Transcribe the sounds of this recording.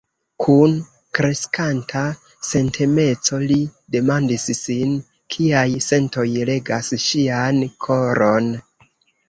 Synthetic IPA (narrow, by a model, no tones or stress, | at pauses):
kʰun | kɾe̞skantʰa | se̞ntʰime̞t͡so̞lide̞mandissin | kʰiajse̞nto̞jle̞ɡasʃiankʰo̞ɾʔo̞n